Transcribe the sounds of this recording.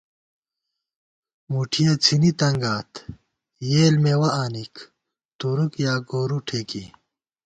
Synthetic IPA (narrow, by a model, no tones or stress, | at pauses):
muʈʰijet͡sʰinit̪ɐŋɡaːt̪ | jeːlmewɐʔaːnik | t̪uɾukjaːɡoːɾuʈʰeːkḭ